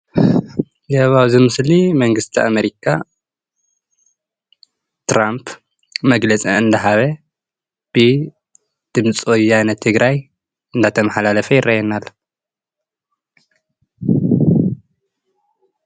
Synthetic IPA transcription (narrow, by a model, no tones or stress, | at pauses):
zɐβawzɨmɨslimɐŋɡɨst̪ʰia̰meɾikʰa | t̪ɾampʰ | mɐɡlɐt͡sʼḭɨnd̪ɐɦaβɐ | b̥ɨ | d̪̥ɨmt͡sʼojanɐt̪ʰːɨɡɾaj | ɨnd̪at̪ʰɐmɐħalalɐfɐjɪrːajɛnal